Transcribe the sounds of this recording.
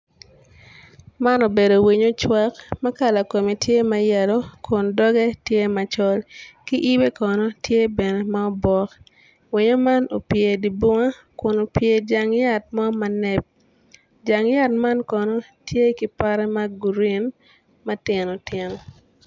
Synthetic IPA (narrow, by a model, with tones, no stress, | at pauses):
ma˦no˨be˨do˨wi˨ɲo˦t͡ʃwa˦kmɐ˦ka˦la˨ko˨mi˨tje˦ma˦jɛ˨lo˦kʰʊ˨ndɔ˦ɡɛ˦tje˦ma˨t͡ʃɔ˦lki˦ʔi˦be˦kɔ˨no˦tje˦be˨ne˨ma˦ɔ˦bɔ˦k | wi˨ɲo˦ma˦no˨pje˨di˨bo˦ŋa˦kʊ˨no˨pje˨d͡ʒa˨ŋja˦˨t̚mɔ˦ma˦nɛ˦p̚ | d͡ʒa˨ŋja˦t̚ma˦nkɔ˨no˦ | tje˦ki˦pa˦ɾɛ˦ma˦ɡu˨ɾi˦n | mɐ˦tɪ˨no˨tɪ˨nɔ˨